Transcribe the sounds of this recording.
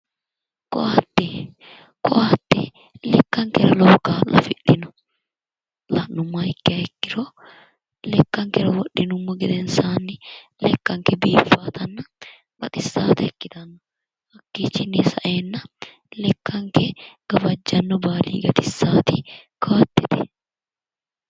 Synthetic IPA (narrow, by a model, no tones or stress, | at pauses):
kɔ̰ʔaːt̪ːɛ | kɔʔaːt̪ːɛ | lɛkːɐŋkɛɾɐloːkaːlɐ̰fɪᶑːɪnʊ | lɐnʊmːɐɪkːɪɐɛkːɪɾɔ | lɛkːɐŋkɛɾɐwɔɗːɪnʊmːɐɡɛd̪ɛnsaːnːɪlɛkːɐŋkɛbiːfːaːt̪ɐnːɐ | b̥ɐt̪ʼɪsːaːt̪ɐɛkːɪt̪ɐnːɔ | hɐkːit͡ʃːɪnesɐʔeːnːɐ | lɛkːɐŋkɛɡ̥ɐbɐd͡ʒːɐnːɔbaːlḭːɡɐt̪ɪsːaːt̪ɪkʰɐwɐt̪ːɪt̪ɛ̥